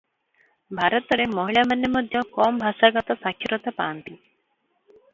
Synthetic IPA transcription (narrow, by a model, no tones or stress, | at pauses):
bʱaɾɔt̪ɔɽemɔɦiɭamanːemɔd̪ʱjɔkɔːmbʱasaɡɔt̪ɔsakʰjɔɾɔt̪apaːnt̪i